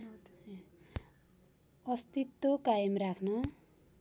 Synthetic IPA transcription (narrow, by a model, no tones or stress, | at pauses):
ʌst̪it̪ːokajʌmrakʰnʌ